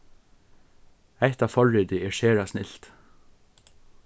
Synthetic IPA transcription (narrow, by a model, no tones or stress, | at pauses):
æht̪ɑːʋfɔɹɪːd̪ɪɛːɹʃeːɹasnɪlt̪